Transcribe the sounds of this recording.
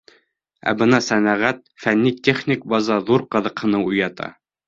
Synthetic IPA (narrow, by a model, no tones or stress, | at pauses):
æ̰bɤnɑsænæʁæt̪̚fænːit̪ʲeχnʲik̚bɑzɑðuɾqɤ̆ðɤ̆qhɤ̆nɤujɑt̪ɑ̰